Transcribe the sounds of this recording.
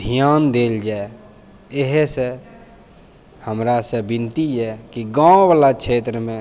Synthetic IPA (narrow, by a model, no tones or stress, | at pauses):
d̪ʱijand̪eld͡ʒae | eɦse | həmɾasə̃bint̪ijɛkiɡãbalakʰt͡ʃʰet̪ɾəmẽ